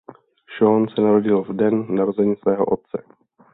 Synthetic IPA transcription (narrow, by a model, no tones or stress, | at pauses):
ʃonsɛnaɾo̞ɟɪlvdɛnnaɾozɛɲiːsvɛːɦo̰ʔot̪̚t͡sɛ